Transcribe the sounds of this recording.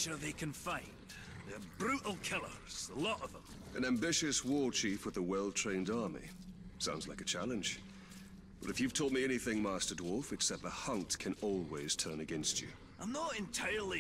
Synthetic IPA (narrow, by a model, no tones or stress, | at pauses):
ʃəðeɪkʰɨ̃nfãɪ̃n | ðəbɹʉʔl̩ˠkʰɪlˠə̰˞z̥əlɔɾʌvðə̃m | ʔɨ̃næ̃mbɪʃɨswɔɹt͡ʃʰifwəðəwɛlˠtʰɹ̥ẽɪ̃ndɑɹmḭ | sãʊ̃ndzlaɪkɨt͡ʃʰælˠɨ̃nʒ̥ | b̥ʌɾɨfjʉv̥tʰɔt̚miɛñiθɪ̃ŋmæstə˞dwɔlˠfɨksɛp̚ðəhʌ̃ntkʰɨ̃nɔlˠwiz̥tʰɜ̃˞nɨɡɛ̃nst͡ʃʉ̰ | ʔə̃nðəɾɪ̃ntʰaɪə˞lˠi